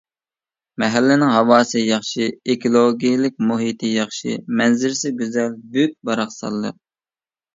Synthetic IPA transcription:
mɛɦælːɪnɪŋɦɑwɑːsɨjɑχʃiekʰolˠoɡʲijlɪk̚ʲmuɦit̪ʰɪjɑχʃḭmɛnzɪɾsɪɡʲyzɛlbyk̚ʲbɑɾɑχsɑ̰lˠːə̰q̚

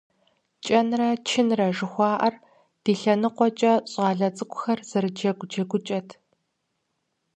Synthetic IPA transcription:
t͡ʃʼɐnrɐt͡ʃʰɪnrɐʒɨxʷɑːʔɐr | d̥iːɬɐnɨqʷɔt͡ʃʼɐɕʼɑːɮɐt͡sʼɨkʷʼʊxɐrz̥ɐɾɨd͡ʒɐɡʷd͡ʒɐɡʷʊt͡ʃʼɐtʰ

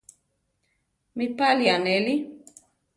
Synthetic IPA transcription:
mipalianɛli

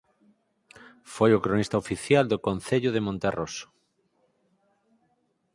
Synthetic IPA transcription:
fojokɾonist̪aofiθjald̪okon̟θeʎʊð̞emõnt̪erʔoso̥

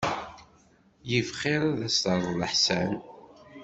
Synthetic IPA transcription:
jəfχɪɾæðæst̪əɾˤðˤləħsæn

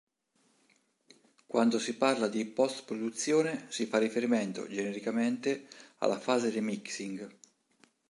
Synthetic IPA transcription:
kwand̪osiparlad̪ipɔst̪pɾod̪ut̪sːjoːnesifarːifeɾiment̪o̰d͡ʒeneɾikament̪ea̰lːa̰faːzed̪emiksiŋɡ

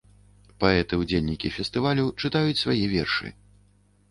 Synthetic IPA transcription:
paɛt̪ɨwd͡zʲelʲnʲikʲifʲɛst̪ɨvalʲut͡ʂɨt̪ajut͡sʲsvajɛvʲɛrʂɨ̰

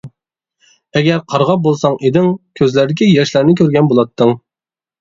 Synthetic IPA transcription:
ɛɡʲɛɾqʰɑɾʁɑp̚bolˠsɑŋʔed̪ɪŋkʲʰøzlæɾd̪ɪkʲijɛʃlæɾnɪkʲøɾɡʲɛnbolˠɑt̪ʰːəŋ

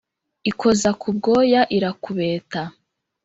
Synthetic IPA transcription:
ikʰo̞zakʰubɡo̞ːjaʔiɾakuβe̞ːta

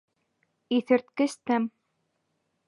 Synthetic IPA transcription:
iθɘ̆ɾt̪̚kɘ̆st̪æm

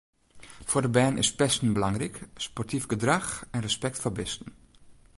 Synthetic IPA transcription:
fodəbɛːnʔɪ̰spɛstn̩bəlɑŋrikspɔrtʰifɡədraxɛnrəspɛktfobɪstn̩

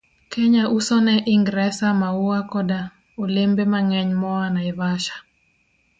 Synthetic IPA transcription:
kɛɲaʔusɔnɛʔiŋɡɾɛsamauwakɔda | olembemaŋɛɲmɔwanaivaʃḁ

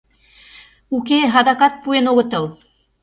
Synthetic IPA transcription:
ukeɦɑd̪ɑkɑt̪̚puenoɣɤ̆t̪ɤ̆lˠ

